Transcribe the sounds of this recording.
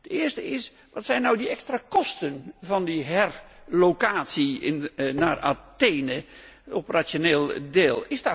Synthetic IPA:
d̥əɪəstəɪs | ʋɔtsɛjnːawdiɛkstrakɔstənvɔndiɦɛrlokaːtsiɪnnaːra̰teːnə | opərasjoneːlˠdeːlˠɪsdɔ

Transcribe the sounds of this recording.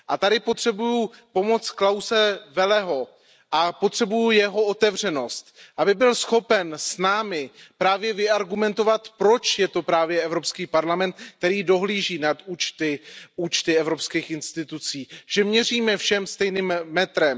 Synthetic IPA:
ʔat̪adɪpo̞t̪r̝̥ɛbujupo̞mo̞tt͡sklawsɛvɛlɛɦo̞ | ʔapo̞t̪r̥ɛbujujɛɦo̞ot̪ɛvr̝ɛno̞st̪ʔabɪbɪlsxo̞pɛnsnaːmɪpɾaːvjɛvɪaɾɡumɛnt̪o̞vat̪pɾo̞t͡ʃjɛt̪o̞pɾaːvjɛɛvɾo̞pskiːpaɾlamɛnt̪k̚t̪ɛɾiːdo̞ɦliːʒiːnat̪uːt͡ʃt̪ɪuːt͡ʃt̪ɪɛvɾopskiːxʔɪnst̪ɪt̪ut͡siːʒ̥ɛmɲɛriːmɛfʃɛmst̪ɛjniːmːɛt̪ɾɛm

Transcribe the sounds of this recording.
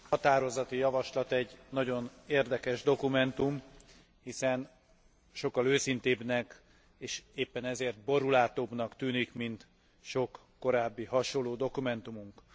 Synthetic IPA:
hɒt̪aːɾo̞zɒt̪ijɒvɒʃlɒt̪ɛɟːnɒɟo̞neːrd̪ɛkɛʒd̪o̞kumɛnt̪um | hisɛn | ʃo̞kːɒløːsint̪eːbnɛk | eːʃeːpːɛnɛzeːrt̪̚bo̞ɾulaːt̪oːbnɒkt̪yːnikmint̪ | ʃo̞kːo̞ɾaːbːiɦɒʃolːoːd̪o̞kumɛnt̪umuŋk

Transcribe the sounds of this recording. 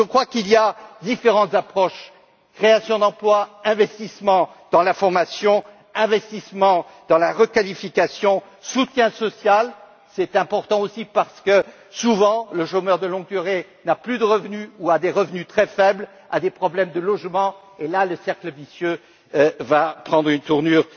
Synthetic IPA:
ʒəkχwakiliad̪ifeʁɑ̃t̪zapχɔʃ | kχeasjɔ̃d̪ɑ̃plwaɛ̃vɛst̪ismɑ̃d̪̥ɑ̃lafɔʁmasjɔ̃ | ɛ̃vɛst̪ismɑ̃d̪ɑ̃laʁəkalifikasjɔ̃ | sut̪jɛ̃sɔsjal | sɛt̪ɛ̃pɔʁt̪ɑ̃osipaʁsə̥kə | suvɑ̃ləʃomœʁd̪əlɔ̃ɡ̚d̪yʁenaplyd̪əʁəvnyuad̪eʁəvnyt̪χɛfɛbl | a̰d̪epχɔblɛmd̪əlɔʒmɑ̃ | elaləsɛʁkləvisjø | vapχɑ̃d̪ʁynt̪uʁnyʁ

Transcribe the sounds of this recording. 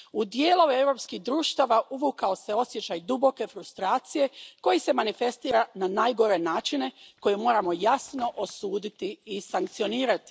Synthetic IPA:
ud̪je̞ːlˠo̞evɾo̞ːpskihd̪ɾuːʃt̪aʋaʔuʋukao̞se̞o̞sjet͡ɕajd̪ubo̞ke̞fɾust̪ɾaːt̪sije̞ko̞jise̞manife̞st̪iːɾananajɡo̞ɾe̞naːt͡ʃine̞ko̞jemo̞ːɾamo̞jasno̞ʔosuːd̪it̪iːsaŋkt̪sio̞niːɾat̪i̥

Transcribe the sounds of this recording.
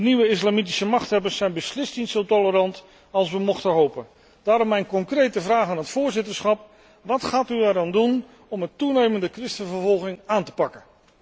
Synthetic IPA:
dəniʋəɪslaːmit̬i̥səmɑχtɦɛbəsɛjnbəslɪstnitsowtɔləɾɑnt | ɑlˠsʋəmɔχtənɦowpən | d̥aːɾɔmːɛjnkɔŋkrejtəvraːχaːnɦətfʊːɹzɪtəɹsχɑp | ʋɑtχaːtyɛɾaːndun | ɔməntunejməndəkrɪstənvəɹvɔlˠχɪŋaːntə̥pɑkən

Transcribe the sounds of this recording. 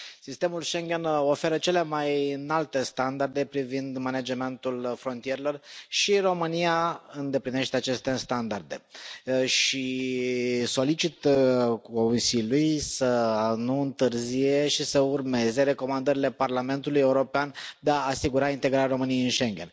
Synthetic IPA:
sist̪e̞mulʃe̞ŋɡʲe̞no̞fe̞ɾət͡ʃe̞le̞majɨnalt̪e̞st̪and̪ard̪e̞pɾivind̪manad͡ʒeme̞nt̪ulfɾo̞nt̪ije̞ɾelo̞rʃiro̞mɨnijaɨnd̪e̞pline̞ʃt̪eat͡ʃe̞st̪e̞st̪and̪ard̪e̞ | ʃi | so̞lit͡ʃit̪ko̞nsilʲujsənuɨnt̪ɨrzije̞ʃisəurme̞ze̞ɾe̞ko̞mand̪əɾile̞parlame̞nt̪uluje̞uɾo̞peand̪e̞aːsiɡuɾaint̪e̞ɡɾaɾʲaɾo̞mɨnijeɨnʃe̞ŋɡʲe̞n

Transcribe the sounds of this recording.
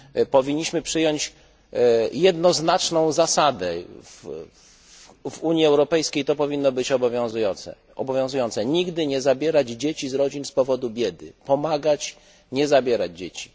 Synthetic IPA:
pɔvʲiɲːiɕmɘpʂɘjɔɲt͡ɕ | jɛd̪nɔznat͡ʂnɔ̃w̃zasad̪ɛv | vuɲjiɛwɾɔpɛjskʲejt̪ɔpɔvʲinːɔbɘt͡ɕɔbɔvʲjɔ̃zujɔnt̪sɛ̰ | ʔɔbɔvʲjɔ̃zujɔnt̪sɛɲiɡd̪ɘɲɛzabʲjɛɾad͡ʑd͡ʑet͡ɕizɾɔd͡ʑinspɔvɔd̪ubʲjɛd̪ɘ̰pɔmaɡat͡ɕ | ɲɛzabʲjɛɾad͡ʑd͡ʑet͡ɕi̥

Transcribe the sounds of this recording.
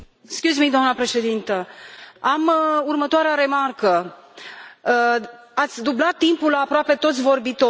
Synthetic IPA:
skʲuzmid̪oamnəpɾe̞ʃe̞d̪int̪əamurmət̪oaɾeaɾe̞markə | at̪sʲd̪ublat̪ːimpulapɾoape̞t̪o̞t̪sʲvo̞rbit̪o

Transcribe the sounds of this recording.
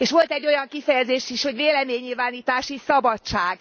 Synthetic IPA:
eːʃʋo̞lt̪ɛɟːo̞jɒŋkifɛjɛzeːʃiʃho̞ɟveːlɛmeːɲːilvaːniːt̪aːʃisɒbɒtt͡ʃaːɡ

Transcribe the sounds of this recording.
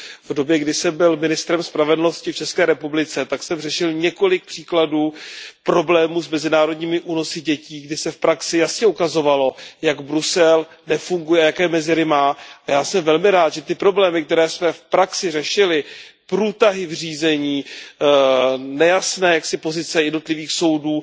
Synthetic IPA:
vdo̞bjɛɡdɪsɛmbɪlmɪnɪst̪ɾɛmspɾavɛdl̩no̞scɪft͡ʃɛskɛːɾɛpublɪt͡sɛt̪aksɛmrɛʃɪlɲɛko̞lɪk̚pr̝̥iːkladuːpɾo̞blɛːmuːsmɛzɪnaːɾo̞dɲiːmɪʔuːno̞sɪɟɛciːɡdɪsɛfpɾaksɪjasɲɛukazo̞valo̞jaɡbɾusɛl | nɛfuŋɡujɛajakɛːmɛzɪɾɪmaːajaːsɛmvɛlmɪɾaːt̪ʒɛt̪ɪpɾo̞blɛːmɪkt̪ɛɾɛːsmɛfpɾaksɪrɛʃɪlɪpɾuːt̪aɦɪvr̝iːzɛɲiː | nɛjasnɛːjaksɪpo̞zɪt͡sɛjɛdno̞t̪lɪviːxso̞wduː

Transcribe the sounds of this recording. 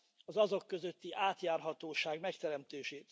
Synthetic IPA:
ɒzɒzo̞kːø̞zøt̪ːiʔaːt̪jaːrɦɒt̪oːʃaːɡmɛkt̪ɛɾɛmt̪eːʃeːt̪

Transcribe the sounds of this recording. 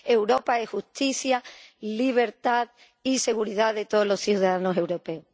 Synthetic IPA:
e̞wɾo̞paehust̪iθjaliβ̞e̞ɾt̪að | ise̞ɣuɾiðaðe̞t̪oðolo̞sθjuðaðanose̞wɾo̞pe̞o

